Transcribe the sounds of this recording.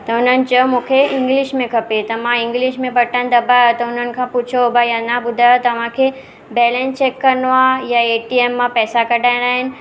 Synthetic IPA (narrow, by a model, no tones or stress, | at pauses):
t̪ɐʊn̤ənɪ̆t͡ɕɐomũːkʰeɪ̃ŋɡlɪʃmẽkʰɐpet̪ɐmãɪ̃ŋɡlɪʃmẽbʱɐʈənd̪ɐbaːjot̪ɐʊn̤ənɪ̆kʰãpʊt͡ɕʰobʱajanabʊd̪ʱaːjot̪ɐʋ̤ãkʰe | bɛːlɛ̃nt͡ɕekːɐɾnoaːjaeːʈieːmːãpɛːsakɐɖʱaːɪ̃aːɦɪnɪ̆